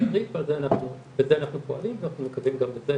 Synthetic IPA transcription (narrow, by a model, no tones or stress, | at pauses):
ʁitvalzeanaχnu | bezeanaχnupoalimvanaχnumekavimɡambeze